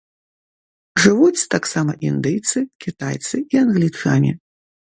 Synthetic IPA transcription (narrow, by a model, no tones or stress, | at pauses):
ʐɨvut͡sʲt̪aksamɐʔind̪ɨjt̪sɨkʲit̪ajt̪sɨianɣlʲit͡ʂanʲḭ